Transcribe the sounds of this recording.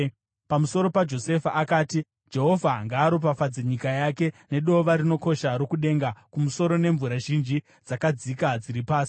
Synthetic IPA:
pamuso̞ɾo̞pad͡ʒo̞se̞faakaːti | d͡ʒe̞ɦo̞vʱaŋɡaːɾop̬afad͡zeɲikajake̞ne̞ɗo̞ʋaɾino̞ko̞ʃaɾo̞kuɗe̞ːŋɡakumuso̞ɾo̞ne̞ɱvuɾaʒind͡ʒi | d͡zakad͡zikad͡ziɾipaːsi̥

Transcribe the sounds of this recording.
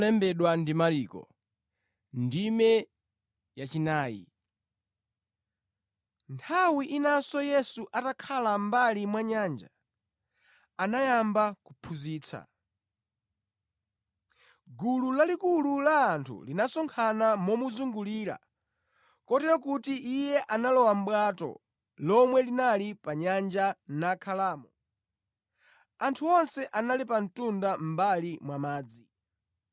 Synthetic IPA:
lɛmbɛɗwandimaɾiːkɔ̰ | ndimɛ | jat͡ʃinaːjḭ | ntʰawiʔinasɔjɛsuʔatakʰalambalimwaɲand͡ʒa̰ | anajambakupʰuziːt͡sʰa̰ | ɡululalikululaːntʰṵlinasɔŋkʰanamɔmuzuŋɡuliːɾa̰ | kɔtɛɾɔk̬utiʔijɛʔanalɔwam̩ɓwaːtɔ̰ | lɔmwɛlinalipaɲand͡ʒanakʰalaːmɔ | antʰuɔnsɛʔanalipan̩tundam̩balimwamaːd͡zi

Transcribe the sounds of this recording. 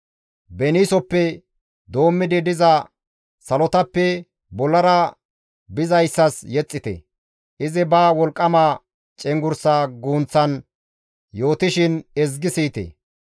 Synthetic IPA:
bɛniːsɔpːɛ | d̪o̞ːmːɪd̪ɪd̪ɪzɐ | sɐlɔt̪ɐpːɛ | bɔlːɐɾɐ | bɪzɐjsːɐsjɛt͡sʼːɪt̪ɛ̰ | ʔɪzɪbaːwɔlkʼːɐma | t͡ʃʼɛŋɡʊɾsaːɡuːnt͡sːɐn | jo̞ːt̪ɪʃɪnɛzɡɪsiːt̪ɛ̰

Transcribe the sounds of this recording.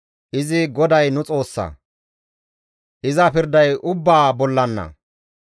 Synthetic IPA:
ʔɪzɪɡɔd̪ɐjnʊt͡sʼo̞ːsːɐ̰ | ʔɪzɐpɪɾd̪ɐjʔʊbːaːbɔlːɐnːɐ̰

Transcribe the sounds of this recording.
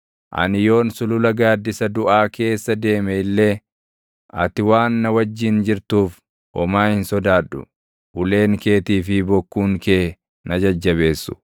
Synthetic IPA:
ʔɐ̰nɪjo̞ːnsʊlʊlɐɡaːd̪ːɪsɐd̪ʊʔaːkʰe̞ːsːɐd̪e̞ːmɛɪlːe̞ː | ʔɐ̰t̪ɪwaːnːɐwɐd͡ʒːɪnd͡ʒɪɾt̪uːf | ʔɔmaːhɪnsɔd̪aːᶑʊ̰ | ʔʊle̞ːŋke̞ːt̪iːfɪbɔkːuːŋkeː | nɐd͡ʒɐd͡ʒːɐβe̞ːsːʊ̥

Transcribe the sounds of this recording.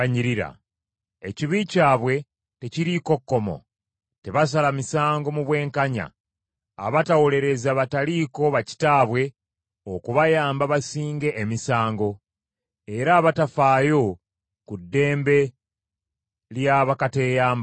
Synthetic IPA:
aɲiɾiɾa̰ | eciβicaːβwe̞ | te̞ciɾiko̞kːo̞mo̞̰ | te̞βas̬alamisaːŋɡo̞muβwe̞ːŋkaɲa̰ː | βatawo̞le̞ɾe̞zaβataliko̞βaci̥taːβwe̞ | okuβajaːmbaβasiːŋɡe̞ʔːmisaːŋɡo̞ | e̞ɾaːβatafaːjo̞ | kudːe̞ːmbe̞ | ljaβakate̞ːjaːmb

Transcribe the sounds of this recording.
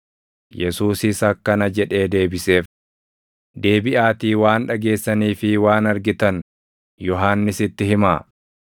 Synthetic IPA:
jɛsuːsɪsɐkːɐnɐd͡ʒɛᶑe̞ːd̪e̞ːbɪse̞ːf | d̪e̞ːbɪʔaːt̪iːwaːnᶑɐɡe̞ːsːɐniːfɪwaːnɐɾɡɪt̪ɐn | jɔɦaːnːɪsɪt̪ːɪhɪmaː

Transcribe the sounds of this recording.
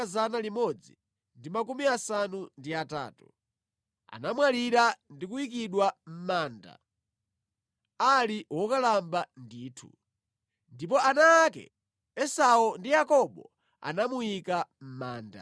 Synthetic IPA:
azanalimɔd͡zi | ndimakumiasanundiata̰ːtu̥ | a̰namwaliɾandik̬uikiɗwam̩maːnda̰ | aliwɔkalambandiːtʰṵ | ndip̬ɔanaːkɛ̰ | ɛsaɔndijakɔɓɔ | a̰namuikam̩maːnda̰

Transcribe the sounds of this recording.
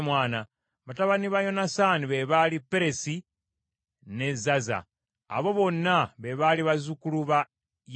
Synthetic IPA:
mwaːna | βataβaniβajo̞nasaniβe̞βalipːeɾe̞si | ne̞zaza̰ː | βo̞βo̞nːaβe̞βaliβazukuluβa | j

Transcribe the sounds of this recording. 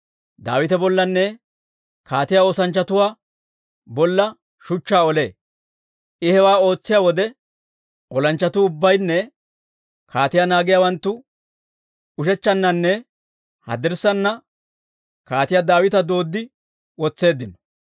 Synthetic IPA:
d̪a̰ːwɪt̪ɛbɔlːɐnːɛ | kaːt̪ɪjaːo̞ːsɐnt͡ʃːɐt̪ʊwaː | bɔlːɐ | ʃʊt͡ʃːaːɔle̞ː | ɪhɛwaːo̞ːt͡sːɪjawɔd̪ɛ | ɔlɐnt͡ʃːɐt̪ʊːbːɐjnːɛ | kʰaːt̪ɪjaːnaːɡɪjaːwɐnt̪ːʊ | ʊʃɛt͡ʃːɐnːɐnːɛ | hɐ̰d̪ɪɾsɐnːɐ | kaːt̪ɪjad̪aːwɪt̪ɐd̪o̞ːd̪ːɪ | wɔt͡sːe̞ːd̪ːɪnɔ̥

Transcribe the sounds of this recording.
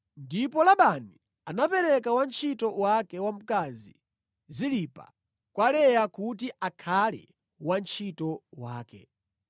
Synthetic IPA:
ndipɔlaɓani | anapɛɾɛkawant͡ʃʰitɔwakɛwam̩kazi | zilipa̰ | kwalɛjakut̬iʔakʰalɛ̰ | want͡ʃʰitɔwaːkɛ̰

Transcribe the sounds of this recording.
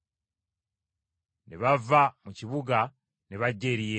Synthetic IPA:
neβavamuciβuɡa | neβaɟːeɾije

